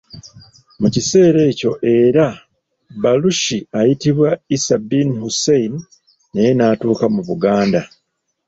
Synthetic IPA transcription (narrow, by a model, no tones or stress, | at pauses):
mucise̞ːɾe̞ːco̞ʔe̞ːɾa | baluʃiajitiβwaisabinhuseiniː | ejenaːtuːkamuβuɡaːnda